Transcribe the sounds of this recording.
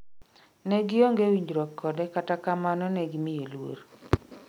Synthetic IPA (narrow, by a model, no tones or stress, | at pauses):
neɡɪoŋɡewiɲd͡ʒɾɔkʰːɔdɛkatakamanɔneɡimɪjelwo̰ɾ